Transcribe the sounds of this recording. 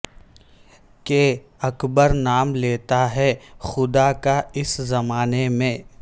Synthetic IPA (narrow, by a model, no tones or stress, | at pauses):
ke | ɐkbəɾnaːmleːt̪aɦɛxʊd̪akaɪszɐmaːnemẽː